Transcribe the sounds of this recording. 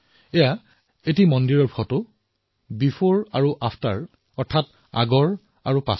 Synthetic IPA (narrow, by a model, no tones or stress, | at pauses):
ɛja | et̬imɔndiɹɔɹbʰʱɔtʊ | bipʰoɹaɹuʔapʰta̰ɹ | ɔɹtʰat̚ | a̰ɡɔɹ | aɹupa̰s